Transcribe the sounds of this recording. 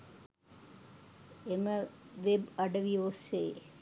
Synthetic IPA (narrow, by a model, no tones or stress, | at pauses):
eməʋebɐɖɐʋiʋoseː